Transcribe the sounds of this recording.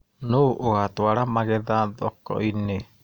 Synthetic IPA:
nuʔuhat̪uaɾamaɡɛd̪ad̪ɔkɔ̰ʔine

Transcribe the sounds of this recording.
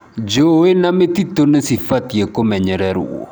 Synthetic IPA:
d͡ʒowenamet̪it̪onesifat̪ijekomɛɲɛɾɛɾṵʔo̰

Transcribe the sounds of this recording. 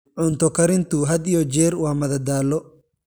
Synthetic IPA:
ʕʊnt̪ɔkɐɾɪnt̪ʊɦɐd̪ijɔd͡ʒɛːɾwaːmɐðɐd̪aːlːɔ

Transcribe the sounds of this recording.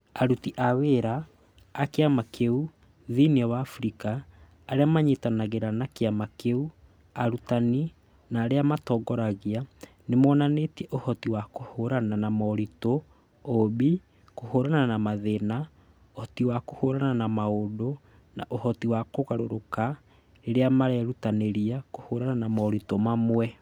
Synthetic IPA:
aɾutiʔaweɾaː | keamakeu | ðiniɔwaːfuɾikaː | ɾeamaɲetanaɣeɾanakeamakeu | aɾutani | naːɾeamatɔɡɔɾaɣia | nemɔnanetiɛʔohɔtiwakohoɾananamɔɾito | obi | kohoɾananamaðena | ohɔtiwakohoɾananamaodo | naʔohɔtiwakoɣaɾoɾoka | eɾeamaɾɛɾutaneɾiakohoɾananamɔɾitomamwɛ

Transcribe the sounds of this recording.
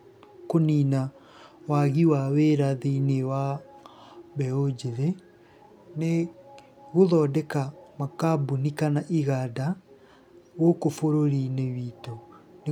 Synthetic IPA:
konina | waɣiwaweɾaðeinewa | βɛod͡ʑeɾe | ne | ɣoðɔːdɛkamakabunikanaʔiɣada | ɣokofoɾoɾinewiːtone

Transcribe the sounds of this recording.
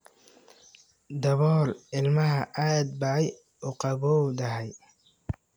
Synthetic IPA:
d̪ɐβɔːlɪlmɐɦɐʔaːd̪̚bɐʕɛj | ʊqɑβɔd̪ɐɦɛj

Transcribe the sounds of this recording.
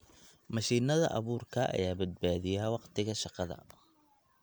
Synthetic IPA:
mɐʃiːnɐðɐ̰ʔɑ̰βuːrkʰɐʔɐ̰jaːbɐd̪̚baːðɪjawɑqt̪ʰɪɣɐʃɑqɑðɐ̰

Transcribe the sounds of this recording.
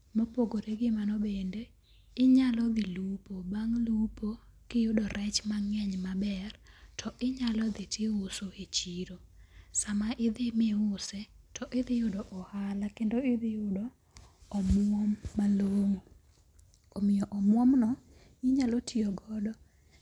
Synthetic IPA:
mopoɡoɾeɡɪmanɔbende | ɪɲalɔd̪ɪlupobaŋlupo | kɪjʊdɔɾɛt͡ʃmaŋɛɲmabɛrtʰɔʔɪɲalɔd̪ɪtʰɪʊsoet͡ʃiɾosamaʔɪd̪ɪmɪʊsɛtɔʔɪd̪ɪjʊdɔʔɔhalakendoɪd̪ɪjʊdɔ | ɔmwɔmːaloŋo | omɪjɔʔɔmwɔmnɔ | ɪɲalɔtʰɪɔɡɔdɔ

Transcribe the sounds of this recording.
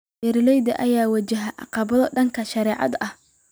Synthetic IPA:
ʔɪɾɪlɛjd̪ɐʔɐjaːwɐt͡ʃɐɦɐʔɑ̰qɑβɐðɔɖɐŋkʰɐʃɐɾɛːʕɑ̰d̪ɐh

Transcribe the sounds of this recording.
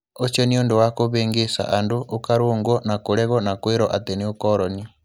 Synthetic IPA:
ot͡ʃeniondowakoβeːŋɡesa̰ʔandoʔokaɾoːŋɡɔnakoɾɛɣɔnakweɾɔʔateniokɔɾɔni

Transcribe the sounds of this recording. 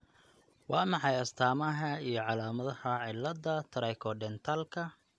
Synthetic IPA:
wɑːmɑħɑjɐst̪ʰaːmɐɦɐijɞʕɑlaːmɐðɐhɐʕɪlːɐðɐt̪ʰɐɾɛjkʰɔɖɛnt̪ʰaːlkʰɐ

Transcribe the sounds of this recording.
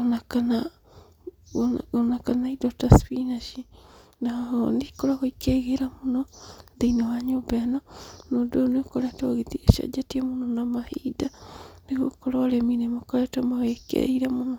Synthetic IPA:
onakana | onakanaidɔtaspinaʃinaɔndikoɾaɣoikeɣeɾamonɔðeinewaɲobɛnɔnodonekoɾɛtɔɣetieʃa̰d͡ʒatiamonɔnamahidandeɣokoɾoːɾeminemakɔɾɛtɔmaɣekḛiɾamono

